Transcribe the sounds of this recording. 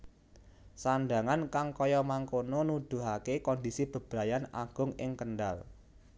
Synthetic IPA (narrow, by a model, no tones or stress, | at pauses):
sanɖa̤ŋankaŋkɔjɔmaŋkononud̪̥ṳɦakekɔnd̪isib̥ə̤b̥ɾa̤jana̰ɡ̥ʊ̤ŋɪŋkənɖa̰l